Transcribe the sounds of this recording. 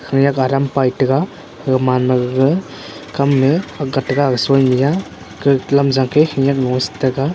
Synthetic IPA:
kʰɯŋjakaɾampajtɐɡa | ɡɯmanmaɡɡɯ | kʰamːeaɡatːaɡaɡsɔjmija | kɯlamzaŋkʰekʰɯŋjak̚nɔstaɡa

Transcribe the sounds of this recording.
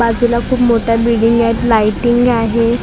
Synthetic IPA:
ad͡zulakʰuːpmoʈjabiɽiŋɡɛʈlajʈiŋɡaɦe

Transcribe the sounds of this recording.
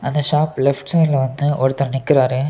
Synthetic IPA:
ʔɐnd̪ɐʂaːplɛfʈsɐɪnlɐʋɐnd̪ɯʔɔɾɯt̪ːɐɾɐnɪkːɪɾaːɾɯ

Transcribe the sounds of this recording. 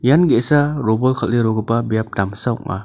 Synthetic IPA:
janɡesaɾɔbɔlkʰalːeɾɔɡɯpabijap̚damsaw̰k̚ma̰

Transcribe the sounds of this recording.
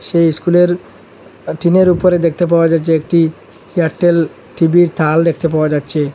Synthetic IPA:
ʃejskuleɾ | ʈineɾupoɾed̪ek̚ʰt̪ep̬aoad͡ʑatːɕʰeek̚ʈi | aʈːel | ʈibiɾt̪ʰald̪ekʰt̪ep̬aoad͡ʑatːɕʰe

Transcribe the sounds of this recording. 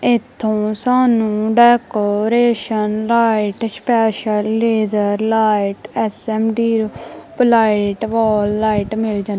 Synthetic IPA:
ɪt̪ʰːõːsaːnũːɖɛːkoːɾeːʃənlaːɪʈspɛːʃəlːeːzəɾlaːɪʈɛsɛːmɖiːɾplaːɪʈʋɔːlːaːiʈmɪld͡ʒãn

